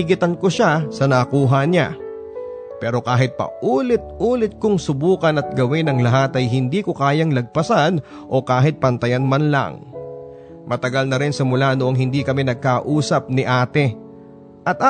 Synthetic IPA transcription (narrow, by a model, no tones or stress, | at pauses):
ɡɪt̪ɐnkoʃasɐnɐkuːɦɐɲa̰ | pɛːɾo̞kaːɦɪt̪̚pɐ̰ʔuːlɪt̪̚ʔuːlɪt̪̚kʊŋsʊbuːkɐnɐt̪̚ɡɐwɪnɐŋlɐɦat̪ɐjɦɪnd̪iːkokaːjɐŋlɐɡ̚pɐsan | ʔo̞kaːɦɪt̪̚pɐnt̪ɐjanmɐnlɐ̰ŋ | mɐt̪ɐɡalnɐɾɪnsɪmʊlanoʔoŋɦɪnd̪iːkɐmɛnɐɡ̚kaʔuːsɐp̚nɪʔaːt̪ɛ | ʔɐt̪̚a